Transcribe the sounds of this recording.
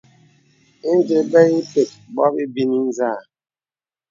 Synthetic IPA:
i˦n˦d͡ʒe˨bɛ˦ji˦pe˨t̚bwa˦bi˦bi˦ni˦n˦zaː˦˨

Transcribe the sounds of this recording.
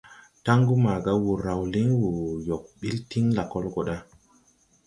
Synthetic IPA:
ta˦ŋɡu˦ma˨ɡa˨˦wu˨ɾa˨wli˦ŋwu˨jo˨k̚ɓi˦lti˦ŋla˨ko˦lko˨ɗa˦

